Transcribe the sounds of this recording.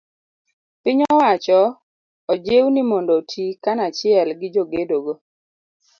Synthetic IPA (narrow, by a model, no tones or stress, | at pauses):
pɪɲɔwat͡ʃɔ | ɔd͡ʒewnɪmɔndotʰikanat͡ʃɪɛlɡɪd͡ʒoɡedoɡo